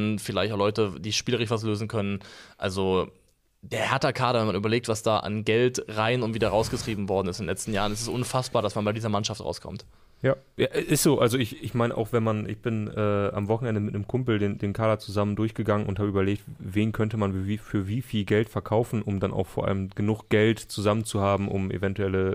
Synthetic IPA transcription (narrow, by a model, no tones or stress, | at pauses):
nfɪlaɪçtaʊlɔʏtəd̥iːʃpiːləʁ̞ɪçv̥as̬løːzn̩kʰœnənʔalzo | d̥eːɐhɛɐtɐkʰaːɾɐvɛnmanʔyːbɐleːk̚tv̥asd̥aːʔa̰nɡɛltʁaɪnʊntv̥iːdɐʁaʊsɡ̥ətʁ̥iːbm̩vɔɐdn̩ɪstndenlɛt͡stn̩jaːʁənɛstɛsʔʊnfasb̥aːɐdasmanbaɪdiːzɐmanʃaftʁa̰ʊskʰɔ̰mt | jaː | jaːʔɛsʔɪstz̥oːʔalzoɪçɪçmaɪnəʔa̰ʊxv̥ɛnmanʔɪ̰çb̥ɪnʔɛːa̰mvɔχn̩ɛndəmɪtnəmkʰʊmpl̩deːndeːnkʰaːdɐt͡suzaməndʊɐçɡ̥əɡaŋənʊnthaːbəyːbɐleːk̚tveːnkʰœntəmanifyːɐviːfiːlɡɛltfɛɐkʰaʊfn̩ʔʊmdanʔa̰ʊxfoːɐʔa̰ləmɡ̥ənʊxɡ̥ɛltt͡suzamənt͡suhaːbm̩ʔʊ̰mʔḛvɛntuɛlə